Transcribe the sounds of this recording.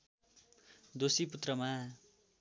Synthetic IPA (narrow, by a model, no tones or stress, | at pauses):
d̪osiput̪rʌma